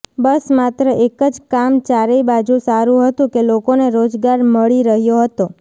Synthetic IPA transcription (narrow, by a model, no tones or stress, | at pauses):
bəsmat̪ɾəʔekəd͡ʒkamt͡ʃaɾeibad͡ʒũsaɾũɦət̪ũkelokoneɾod͡ʒɡaɾməɭiɾəɦjoɦət̪o